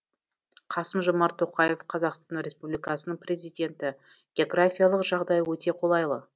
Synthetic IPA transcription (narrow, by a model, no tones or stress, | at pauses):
qʰɑsəmʒomɑɾt̪ʰo̞qɑje̞fqʰɑzɑqst̪ɑnɾʲe̞spublijkɑsənəɴpʰrʲe̞zijd̪ʲe̞nt̪ɪɡ̥ʲeoɡrafʲijalˠəqʒɑʁd̪ɑjəwɵt̪e̞qʰo̞lˠɑjlˠə